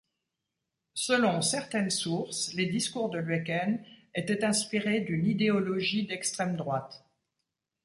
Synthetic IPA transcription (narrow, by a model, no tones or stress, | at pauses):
səlɔ̃sɛʁt̪ɛnsuʁsled̪iskuʁd̪əlɥɛkɛnet̪ɛt̪ɛ̃spiʁed̪ynid̪eɔlɔʒid̪ɛkst̪χɛmd̪ʁwat̪